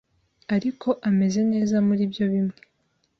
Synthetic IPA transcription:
aɾikʰo̞ʔame̞ze̞ne̞ːzamuɾibjo̞βimŋe̞̥

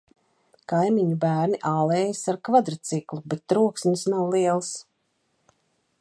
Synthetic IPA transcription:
kajmiɲubæːɾniʔaːlˠeːjasaɾkvad̪ɾat̪siklˠubet̪ːɾuɔksɲʲisnawlˠiɛlˠs

